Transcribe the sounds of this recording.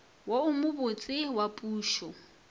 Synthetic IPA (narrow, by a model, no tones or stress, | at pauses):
woʊmʊbʊt͡sʼɪwapʼuːʃɔ